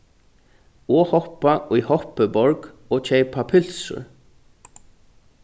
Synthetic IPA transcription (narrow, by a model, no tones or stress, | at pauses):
ɔːhɔhpaʔujhɔhpəbɔɹk | ɔːt͡ʃʰejpʰapʰʏl̥sʊ̰ɹ